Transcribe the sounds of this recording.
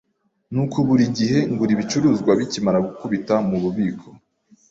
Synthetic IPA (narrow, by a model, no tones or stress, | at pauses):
nuːkʰuβuɾiɟiɦe̞ŋɡuɾiβit͡ʃuɾuːzɡwaβicimaɾaɡukuβitamuβuβiːkʰo̞̥